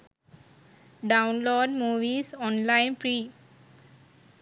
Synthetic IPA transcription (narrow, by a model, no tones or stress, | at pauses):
ɖãʊ̃nloːɖmuːʋiːsɔ̃ːnlãɪnpɾiː